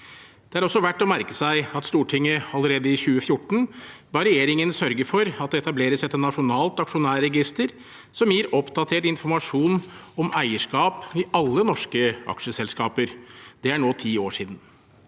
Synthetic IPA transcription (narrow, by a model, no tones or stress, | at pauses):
d̪̥ɛæɾɔsːɔʋæʈːɔmæɾkə̥sæɪɑt̪st̪uːʈʰɪŋːəɑləɾeːd̪əɪçʉːəfjʊʈːɳ̩bɑɾɛjeːɾɪŋənsœɾɡəfɔɾɑt̪̚d̪ɛɛt̪ɑbleːɾəsɛt̪ːənɑʂʊnɑːlt̪ɑkʂʊnæːɾɛɡɪst̪əɾ | sɔmjiːɾɔpd̪ɑt̪ʰeːʈɪnfɔɾmɑʂuːn | ɔmæɪəʂkɑːpɪʔɑlːənɔʂkəʔɑ̰kʂəsɛlskɑːpəɾd̪̥ɛæɳoːt̪ʰiːoːʂiːd̪n̩